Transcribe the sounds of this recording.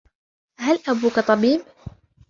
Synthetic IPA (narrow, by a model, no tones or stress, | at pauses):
halʔabuːkat̪ˤɑbiːb